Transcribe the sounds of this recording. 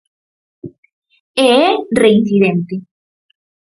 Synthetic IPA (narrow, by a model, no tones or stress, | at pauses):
eereinsiðent̪e